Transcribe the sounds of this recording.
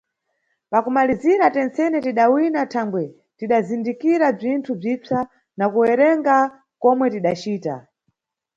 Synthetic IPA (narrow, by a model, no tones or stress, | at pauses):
pakumaliziɾatɛnt͡sɛnɛtiɗawinatʰaŋɡwɛ | tiɗazindikiɾab͡ʐintʰub͡ʐit͡sa | nakuwɛɾɛŋɡa | kɔmwɛtiɗat͡ʃiːta̰